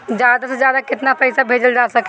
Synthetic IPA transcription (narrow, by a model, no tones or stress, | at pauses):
d͡ʒjaːd̪ased͡ʒjaːd̪akɪt̪napəɪsabʱeːd͡ʒəld͡ʒasək